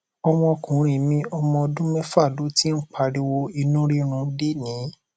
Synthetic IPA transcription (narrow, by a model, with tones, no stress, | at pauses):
ɔ˧mɔ̃˧kũ˨˦ɾ̃ĩ˨mĩ˧ɔ˧mɔ̃˧ɔ˧dũ˦mɛ̃˦fa˦˨lo˨˦ti˦n̩˦k͡pa˧ɾi˧wo˧i˧nũ˦ɾi˦ɾ̃ũ˧˦de˦nĩ˨˦